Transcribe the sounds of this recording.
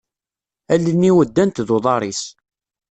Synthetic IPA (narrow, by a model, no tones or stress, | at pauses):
ælːənːiwəd̪ːænt̪ðoðˤɑɾˤis